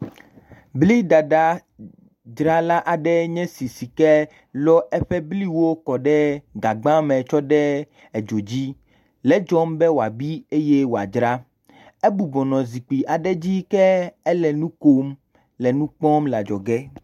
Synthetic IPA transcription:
bli˦ɖa˨ɖa˦ | d͡ʒɾa˦la˦ʔa˨ɖɛ˦ɲɛ̃˦si˨si˨kɛ˦ | lɔ˦ʔɛ˦ɸɛ˦bli˦wo˦kɔ˨ɖɛ˦ɡa˨ɡ͡bã˦mɛ̃˨t͡ʃɔ˦ɖɛ˦ | ɛ˨d͡ʒo˨d͡ʑi˦ | lɛ˨d͡ʒɔ˦mbɛ˦wo˨a˨bi˦e˦jɛ˦wo˨a̰˨d͡ʒɾa˦ | ɛ˦bu˨bɔ˨nɔ̃˨zi˨k͡pi˨ʔa˨ɖɛ˦d͡ʑi˦kɛ˦ɛ˦lɛ˨nũ˦ko˦m | lɛ˨nũ˦k͡pɔ˦mla˨d͡ʒɔ˨ɡɛ˦

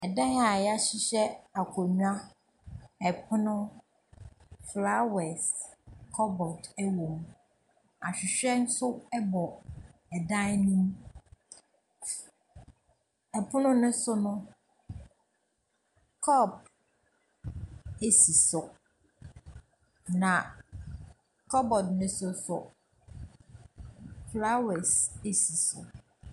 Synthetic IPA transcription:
ɛ˨dã˦ŋ˦a˨ja˦ɕɪ˦ɕɛ˦a˨kʰʷɔ˨ɲũ˦a˦ | ɛ˨pʰʊ˦nʊ̃˦ | fla˦wɛ˨skʰɔ˦bɔ˨tɛ˦wõ˨m | a˨ɕᶣɪ˨ɕᶣɛ˦n̩˦sʊ˦ɛ˦bɔ˨ɛ˨dã˦nũ˦m | ɛ˨pʰʊ˦nʊ̃˦nʊ̃˦sʊ˦nʊ̃˦ | kʰɔ˦˨p̚ | e˦si˨sʊ˨ | nã˨ | kʰɔ˦bɔ˨dnʊ̃˦sʊ˦sʊ˨ | fla˦wɛ˨se˨si˨sʊ̰˨

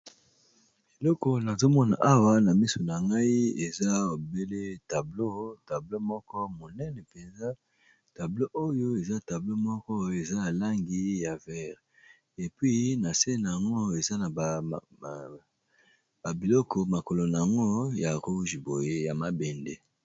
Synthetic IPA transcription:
e˨lɔ˦kɔ˨na˨zo˦mɔ˦na˨ʔa˦wa˦na˨mi˦so˨na˨ŋɡa˦i˦e˨za˦o˨be˦le˦ta˨blo˦ta˨blo˦mɔ˦kɔ˦mo˨nɛ˦nɛ˨pe˨nza˦ | ta˨blo˦ʔo˦jo˦e˨za˦ta˨blo˦mɔ˦kɔ˦e˨za˦a˨la˦ŋɡi˦ja˨vɛ˦ʁ | e˨pwɥi˦na˨se˦n˨a˨ŋɡo˦e˨za˦na˨ | ba˨bi˨lɔ˦kɔ˨ma˨ko˨lo˨n˨a˨ŋɡo˦ja˨ʁu˦ʒi˨bo˨je˦ja˨ma˦bɛ˨nde˦

